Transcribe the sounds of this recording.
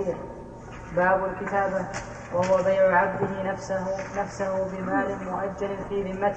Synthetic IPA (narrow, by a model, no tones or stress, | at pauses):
baːbʊlkɪt̪aːba | wahʊwabajʕʊʕab̚d̪ɪɦɪnafsanafsahʊbɪmaːlɪnmʊʔad͡ʒːalɪfiːðɪmːat̪